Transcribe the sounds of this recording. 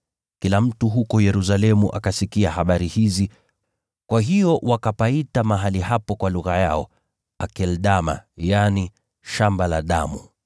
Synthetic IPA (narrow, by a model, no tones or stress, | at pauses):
kilam̩tuɦukɔjɛɾus̬alɛmṵʔa̰kasikiahaɓaɾihizi | kwaɦijɔwʔakapaitamaɦalihapɔkwaluɣajaɔ | akɛlɗama̰jani | ʃambalaɗamu